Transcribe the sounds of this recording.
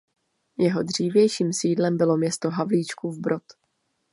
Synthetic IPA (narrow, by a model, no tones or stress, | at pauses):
jɛɦo̞dr̝̥iːvjɛjʃiːmsiːdlɛmbɪlo̞mɲɛst̪o̞ɦavliːt͡ʃkuvbɾo̞t̪